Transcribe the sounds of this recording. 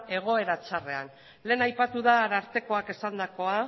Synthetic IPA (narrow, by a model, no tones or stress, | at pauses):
e̞ɣ̞o̞e̞ɾat͡ʃare̞an | le̞ːnajpat̪uðaːɾaɾt̪e̞ko̞ake̞sand̪ako̞a